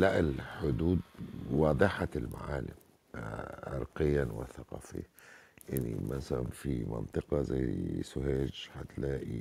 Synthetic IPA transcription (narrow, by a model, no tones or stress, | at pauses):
laʔɪlħʊd̪uːd̪̚wɑːd̪ˤɨħalma̰ʕaːlɪ̰m | ʕɑ̰ɾˤqɪjːanwɪθaqɑːfḭʔɪnːḭmansalamfimɑ̰nt̪ˤɨqɑzajsʊɦeːd͡ʒħat̪laːʔi